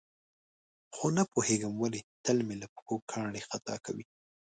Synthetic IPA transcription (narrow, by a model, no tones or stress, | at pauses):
xonapoheɡəmwalet̪əlmelapxokʰɑɳɽexat̪ɑ̰kawi